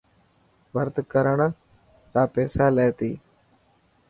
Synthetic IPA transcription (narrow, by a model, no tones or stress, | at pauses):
ʋəɾt̪kəɾəɳ | ɾaːpeːsaːleːt̪iː